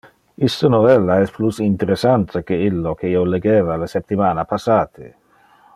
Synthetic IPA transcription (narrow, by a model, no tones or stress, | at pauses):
ist̪ənovɛlːaɛsplusint̪eɾesant̪ʰekeilːokeioleɡeːvalasept̪ːimaːnapasaːt̪ʰe